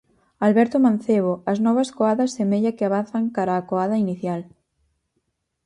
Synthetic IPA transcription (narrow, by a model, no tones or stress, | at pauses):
alβɛɾt̪omãn̟θeβ̞oɐznɔβɐskoaðɐsːemeʎakeaβ̞anθɐŋkaɾaːkoaðɐiniθjal